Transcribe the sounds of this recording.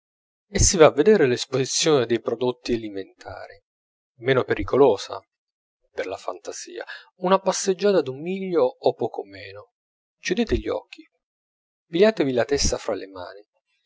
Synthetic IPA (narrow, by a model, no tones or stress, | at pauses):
esːivaːvːed̪ɛːɾelespozit̪sːjoːned̪ejpɾod̪ot̪ːieliment̪ʰa̰ːɾi | mɛːnopeɾʔikoloːsa̰ | perlafa̰nt̪az̥ḭːa̰unapasːed͡ʒːaːt̪ad̪ummiʎːoːpːɔːkomɛːno | kjud̪eːt̪eʎːiɔ̰kʰːi | piʎːaːt̪evilat̪ɛst̪afɾalema̰ːni